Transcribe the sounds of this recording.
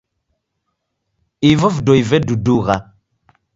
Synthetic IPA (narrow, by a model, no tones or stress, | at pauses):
ivəvdoivɛduduɣa